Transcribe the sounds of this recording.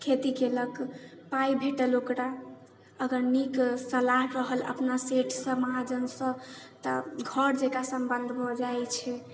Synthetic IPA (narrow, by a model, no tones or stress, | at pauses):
kʰet̪ikeləkpajbʱeʈəlokɾa | əɡəɾniksəlaɦɾəɦələ̰pnaseʈʰsə̃məɦad͡ʒənsə̃t̪ə̰ɡʱəɾd͡ʒekasəmbənd̪ʱbʱɔd͡ʒajt͡ʃʰɛ